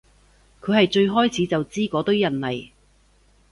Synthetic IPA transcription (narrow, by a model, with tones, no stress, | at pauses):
kʰɵ˨˧ɦɐ˨jt͡ʃɵ˧ɥɦɔː˥jt͡sʰiː˨˧t͡sɐ˨wt͡siː˥kɔː˨˥t̪ɵ˥ɥjɐ˨nlɐ˨j